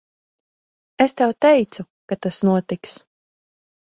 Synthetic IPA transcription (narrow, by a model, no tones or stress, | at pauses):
est̪ɛwt̪ɛjt̪su | kat̪asnuɔt̪iks